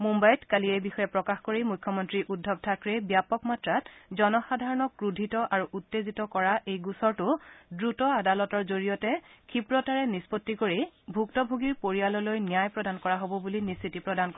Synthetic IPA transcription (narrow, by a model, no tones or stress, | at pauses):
mumbajtkaliɛbixɔjɛpɹɔkaxkoɹimukʰːɔmɔntɹiʔudʱːɔb̚tʰakɹɛbjapɔkmatɹatzɔnɔxadʱaɹɔnɔkɹudʱitɔʔaɹuʔutːezitɔkɔɹaʔejɡusɔɹtʊdɹutɔadalɔtɔɹzoɹijɔtɛkʰipɹɔtaɹɛnispotːikoɹibʱuktɔbʱoɡiɹpoɹialɔlojnijajpɹɔdankɔɹaɦobɔbulinistʰitipɹɔdankɔ